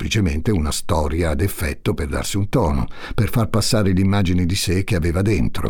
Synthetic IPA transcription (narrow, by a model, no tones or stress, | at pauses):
plit͡ʃement̪eunast̪ɔːɾjaːd̪efːɛ̰t̪ːoperd̪a̰rsiunt̪ɔːno̰perfarpasːaːɾelimːaːd͡ʒinid̪isek̟eaveːvad̪ent̪ɾo̰